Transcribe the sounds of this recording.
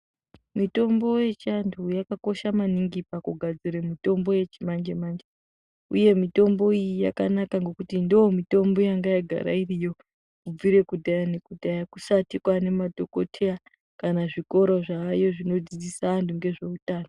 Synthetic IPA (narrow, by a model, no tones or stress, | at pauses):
mito̞mbo̞je̞t͡ʃantʰujakako̞ʃamaniŋɡipakuɡʱad͡ziɾemito̞mbo̞je̞t͡ʃimand͡ʒemand͡ʒe | uje̞mito̞mbo̞ijija̰ka̰nakaŋɡo̞kutindoomito̞mbo̞jaŋɡajaɡʱa̰ɾa̰irijo̞ | kub͡viɾe̞kudʱajane̞kudʱajakusatikwane̞madʱo̞ko̞tʰeja | kanaʐiko̞ɾoʐaːjo̞ʐino̞d͡zid͡zisaːntʰuŋɡe̞ʐe̞utaːno